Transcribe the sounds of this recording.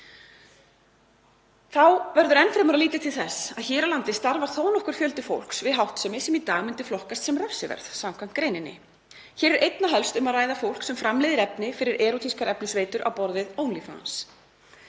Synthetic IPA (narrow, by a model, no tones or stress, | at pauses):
θawvɛɾðʏɾɛnfɾɪmʏɾaliːt̪ɪt̪ʰɪlθɛsːaðçɛːɾawlant̪ɪst̪aɾvaɾ̥θoːwnɔhkʏɾ̥fjœlt̪ɪfo̰wl̥ksvɪðɦawht̪sɛmɪsɛmit̪aːɣmʏnt̪ɪ̥flɔhkast̪sɛmrɛfsɪvɛ̰ɾθsamkʰajm̥t̪̚kɾeːjnɪnːɪ̰ | çɛːɾɪɾʔejt̪naɦœlst̪ʏmaðraːjðafowl̥ksɛmfɾamlejðɪɾɛpnɪfɪɾɪɾʔɛːɾut̪ʰiskaɾɛpnʏsveːjt̪ʏɾʔa̰wpɔɾðɪðoːwnlifa̰a̰ns